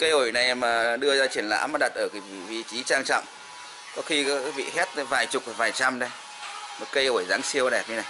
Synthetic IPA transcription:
kə˧jʔo˧˩jna˨˩jmaː˨˩ɗɨ˧əzaː˧t͡ɕi˧˩ənla̰ː˧˥maː˨˩ɗa˨˩t̚ʔəː˧˩ka˨˦vḭ˧˩vi˧t͡ɕi˨˦t͡ɕaː˧ŋt͡ɕɔ̰˧˨wŋ͡m | kɔ˨˦xi˧kaː˦˥k̚vḭ˧˨hɛ˦˥t̚vaː˨˩jt͡ɕʊ˨˩k͡p̚a˨˩vaː˨˩jt͡ɕa˧mɗə˧j | mɔ˨˩kə˧jʔo˧˩jzaː˨˦ŋsi˧əwɗɛ˨˩p̚ɲɨ˧na˨˩j

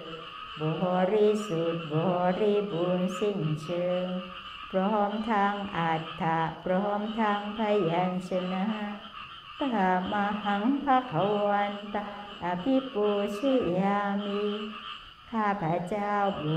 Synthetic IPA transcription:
bɔ˨ɦɔ˧ɾi˧su˨t̪̚bɔ˨hɔ˧ɾi˦˧bu˨˧nsi˦˧n˨t͡ʃʰə˧ŋ | pɾɔ˧ɦɔ˧˦mt̪ʰa˧ŋʔa˨t̪ʰːa˨˧ʔpɾɔ˧ɦɔ˧˦mt̪ʰa˧ŋpʰa˧ja˨˧nt͡ʃə˧na˧a˧ | t̪a˧˦ɦa˧ma˧ha˧˦ŋpʰa˦kʰa˨˦wa˧nt̪a˧ʔa˨pʰi˦po˧t͡ʃʰe˦˨a˧mi˧ | kʰa˧˨pʰa˨˦t͡ʃa˦˧wbu˨

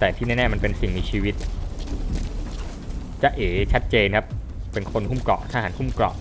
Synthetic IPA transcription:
t̪ɛː˨˩t̪ʰiː˥˩ɛː˥˩nɛː˥˩ma˧npe˧nsi˨˩ŋmiː˧t͡ɕʰiː˧wi˦˥t̪̚ | t͡ɕa˦˥ʔeː˩˦t͡ɕʰa˦˥t̪̚t͡ɕeː˧nkʰa˦˥p | pe˧nkʰo˧nhu˥˩mklɔ̰˨˩ʔt̪ʰaː˥˩ɦa˩˦nhʰu˥˩mklɔ̰˨˩ʔ

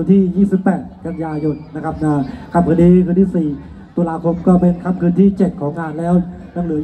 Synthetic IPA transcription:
nt̪ʰiː˥˩jiː˥˩si˨˩pːɛː˨˩t̪̚ka˧njaː˧jo˧nːa˦˥kʰa˦˥p̚naː˧˩kʰa˧˩mkʰɯː˧d̪iː˧kʰɯː˧nt̪ʰiː˥˩siː˨˩ | t̪u˧laː˧kʰo˧mkɔː˥˩pe˧nkʰa˧˥˩mkʰɯː˧nt̪ʰiː˥˩t͡ɕe˨˩t̪̚kʰɔː˩˦ŋkaː˧nlɛː˦˥w | na˧˩ŋlɯ˨˩˦

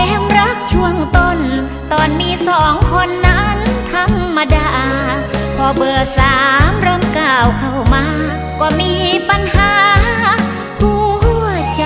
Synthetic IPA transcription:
ɛː˧˥mɾa˦˥k̚t͡ɕʰu˧˩əŋt̪o˧˩n | t̪ɔː˨˩nmiː˧˥˨sɔː˨˩˦ŋkʰo˧˥nːa˦˥nt̪ʰa˧˥mːa˧daː˧˩ | pʰɔː˧bɤː˨˩k̚saː˨˦mɾɤ˧˨mkaː˨˧˩wkʰa˧˩wmaː˧˥˨ | kɔː˧˩miː˧˥pa˧nhaː˨˦ | kʰuː˧˩hu˧˩t͡ɕa˧

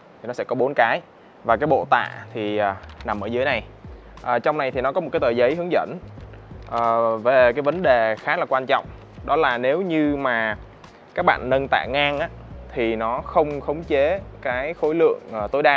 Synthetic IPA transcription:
t̪ʰi˨˩nɔ˨˦sɛ̰˧˥kɔ˨˦ɓo˨˦nkaː˨˦j | vaː˨˩kaː˨˦jɓo̰˧˨t̪a̰ː˧˨t̪ʰi˨˩ʔə˨˩na˨˩mʔəː˧˩zɨ˨˦e˦na˨˩j | ʔəː˨˩t͡ɕɔ˧wŋ͡mna˨˩jt̪ʰi˨˩nɔ˨˦kɔ˨˦o˨˩t̚kːaː˨˦jt̪əː˨˩jzə˨˦jɦɨ˨˦əŋzə̰˧˥n | ʔəː˨˩ve˨˩kaː˨˦jvə˨˦nɗe˨˩xaː˨˦˥laː˨˩kwaː˧nt͡ɕɔ̰˧˨wŋ͡m | ɗɔ˨˦laː˨˩ne˨˦wɲɨ˧maː˨˩ | kaː˦˥k̚ɓa̰ː˧˨nːə˧nt̪a̰ː˧˨ŋaː˧ŋʔaː˨˦t̪ʰi˨˩nɔ˨˦xə˧wŋ͡mxə˨˦wŋ͡mt͡ɕe˨˦kaː˨˦jxo˨˦jlɨ̰˧˨əŋʔəː˨˩t̪o˨˦jɗaː˧

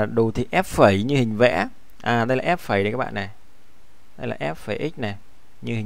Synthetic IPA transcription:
ɗu˨˩t̪ʰi˨˩ʔɛ˦˥p̚fə˨˩˦jɲɨ˧hï˨˩ŋ̟vɛ̰˧˥ | ʔaː˨˩ɗə˧jlaː˨ʔɛ˦˥p̚fəː˨˩˦jə˨˩˦kaː˦˥kɓa̰ː˧˨nɛ˨˩ | ɗə˧jla̰ː˨˩ʔɛ˦˥p̚fəː˨˩˦ʔi˦˥k̟̚nɛ˨˩ | ɲɨ˧ɦï˨˩

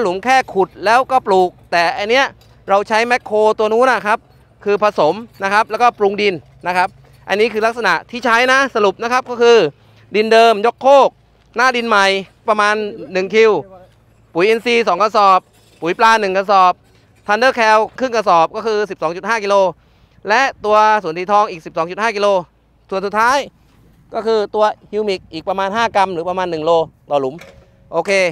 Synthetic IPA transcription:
lu˩˦mkʰɛː˥˩kʰu˨˩t̪̚lɛː˦˥wkɔː˥˩pluː˨˩k̚t̪ɛː˨˩ʔa˧nːi˦˥ɐʔ | ɾa˧wt͡ɕʰa˦˥jmɛ˦˥kʰːoː˧t̪u˧ɐnuː˦˥˩na˦˥˩kʰa˦˥p̚ | kʰɯː˧pʰa˧so˩˦mna˦˥kʰa˦˥p̚lɛː˦˥kɔː˥˩pɾu˧ŋdi˧nːa˦˥kʰa˦˥p̚ | ʔa˧nːiː˦˥kʰɯː˧la˦˥k̚s̬a˧na˨˩ʔt̪ʰiː˥˩t͡ɕʰa˦˥jna˦˥sa˧ɾu˨˩p̚na˦˥kʰa˦˥p̚kɔː˥˩kʰɯː˧ | di˧ndɤː˧mjo˦˥kʰːoː˥˩k̚ | naː˥˩di˧nma˨˩j | pɾa˧maː˧nːɯ˨˩ŋkʰi˧w | puː˨˩˦jʔi˧nsiː˧˩sɔː˩˦ŋka˧sɔː˨˩pː | uː˩˦jplaː˧nɯ˨˩ŋka˧sɔː˨˩p̚ | t̪ʰa˧ndɤː˥˩kʰɛː˧wkʰɯ˥˩ŋka˧sɔː˨˩p̚kɔː˥˩kʰɯː˧si˨˩p̚sɔː˦ŋt͡ɕu˨˩t̪̚haː˥˩kiː˧loː˧ | lɛ˦˥ʔt̪u˧ɐsu˩˦nt̪iː˧˩t̪ʰɔː˧ŋʔiː˨˩k̚si˨˩p̚sɔː˩˦ŋt͡ɕu˨˩t̪haː˥˩kiː˧loː˧ | su˨˩ənsu˨˩t̪ʰːaː˦˥˩j | kɔː˥˩kʰɯː˧t̪u˧ɐhi˧wmi˨˩k̚ʔiː˨˩k̚pa˧maː˧nɦaː˥˩ka˧mɾɯː˩˦pa˧maː˧nːɯ˨˩ŋloː˧t̪ɔː˨˩lu˩˦m | ʔoː˧kʰeː˧

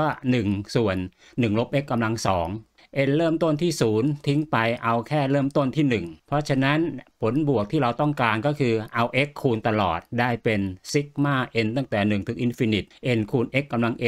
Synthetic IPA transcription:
ɔː˥˩nɯ˨˩ŋsu˨˩ənː | ɯ˨˩ŋlo˦˥p̚ʔe˦˥kːa˧mla˧ŋsɔː˩˦ŋ | ʔe˧nɾɤː˥˩mt̪o˥˩nt̪ʰiː˥˩suː˩˦nt̪ʰi˦˥ŋpa˧jʔa˧wkʰɛː˥˩ɾɤː˥˩mt̪o˥˩nt̪ʰiː˥˩nɯ˨˩ŋpʰɔ˦˥t͡ɕʰa˧na˦˥npʰo˩˦nbu˨˩ək̚t̪ʰiː˥˩ɾa˧wt̪ɔ˥˩ŋkaː˧nkɔː˥˩kʰɯː˧ʔa˧wʔe˦˥kʰːuː˧nt̪a˧lɔ̰ː˨˩t̪̚daː˥˩jpe˧nsi˦˥k̚maː˥˩ʔe˧nt̪a˥˩ŋt̪ɛː˨˩nɯ˨˩ŋt̪ʰɯ˩˦kʔi˧nfi˧ni˨˩t̪̚ʔe˧nkʰuː˧nʔe˦˥kːa˧mla˧ŋʔe˧

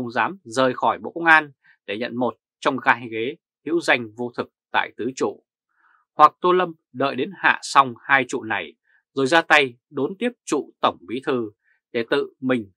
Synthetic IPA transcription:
ə˧wŋ͡mzaː˨˦mzəː˨˩jxɔ˧˩jɓo̰˧˨kə˧wŋ͡mʔaː˧n | ɗe˧˩ɲə̰˧˨nmo˨˩t̚t͡ɕɔ˧wŋ͡mɣaː˨˧˦jɣe˨˦ | hḭ˧˥wza˧jŋ̟vo˧t̪ʰɨ˨˩k̚t̪a̰ː˧˨jt̪ɨ˨˦t͡ɕṵ˧˨ | hwa˨˩k̚t̪o˧lə˧m | ɗə̰ː˧˨jɗe˨˦nha̰ː˧˨sa˧wŋ͡mhaː˧jt͡ɕṵ˧˨na˨˩j | zo˨˩jzaː˧t̪a˧j | ɗo˨˦nt̪i˦˥əp̚t͡ɕṵ˧˨t̪ə˧˩wŋ͡mɓi˨˦t̪ʰɨ˨˩ | ɗe˧˩t̪ɨ̰˧˨mï˨˩ŋ̟

